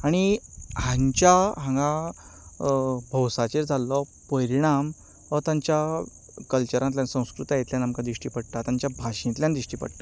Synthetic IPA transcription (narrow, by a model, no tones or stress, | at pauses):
aɽ̃iɦãɲt͡ɕjaɦãŋɡã | bʱəwsat͡ɕeɾd͡zʱalːɔpəɾiɽ̃am | ət̪ãɲt͡ɕja | kəlt͡ɕəɾãnt̪ljansə̃w̃skɾut̪ajet̪ljanamkãd̪ɾiʂʈiːpəɽt̪at̪ãɲt͡ɕjabʱaɕĩnt̪ljãnd̪ɾiʂʈiːpə̰ɽt̪a